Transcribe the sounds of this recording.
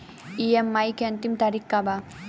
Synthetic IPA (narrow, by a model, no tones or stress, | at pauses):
iemːajkent̪imt̪aɾikːaba